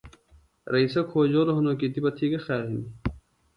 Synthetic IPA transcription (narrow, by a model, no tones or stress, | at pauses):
ɾɐisɐkʰoːd͡ʑoːɾoɦɐnoːkit̪ipɐt̪ʰikɐxaːɦini